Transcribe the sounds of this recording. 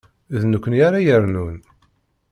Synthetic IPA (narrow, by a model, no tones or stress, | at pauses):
ðnəkʷːənjaɾajəɾnun